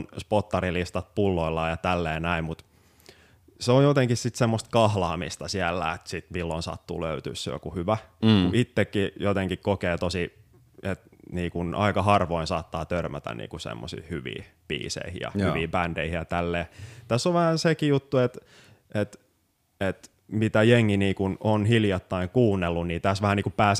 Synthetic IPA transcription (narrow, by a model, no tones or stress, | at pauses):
nspot̪ːɑrilist̪ɑt̪̚pulːoilːɑːjɑt̪ælːeːnæimmut̪ | seojjot̪eŋkissit̪semːost̪̚kɑhlɑːmḭst̪ɑsiælːæ̰et̪sit̪milːonsɑ̰t̪ːṵːlø̰yt̪y̰ːsːejo̰kuhyʋækuʔit̪ːekːijot̪eŋkikkokeːt̪osi | et̪niːkunʔɑikɑhɑrʋoinsɑːt̪ːɑːt̪ørmæt̪æ̰nnḭːkusḛmːo̰sḭːhyʋḭːpḭːsḛihḭjɑ̰hy̰ʋiːpændeihijɑt̪ælːeːt̪æsːoʋʋæhænsekijut̪ːuet̪ | ʔet̪ | et̪ | mit̪æjeŋːiniːkunonhiljɑt̪ːɑiŋkuːnːelːunniːt̪æsʋæhæniːkupæːs